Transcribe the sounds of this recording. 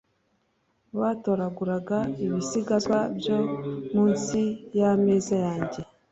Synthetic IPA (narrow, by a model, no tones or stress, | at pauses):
βaːto̞ːɾaɡuɾaɡaiβisiɡazabjomuːnsijame̞ːzajaːɲɟe̞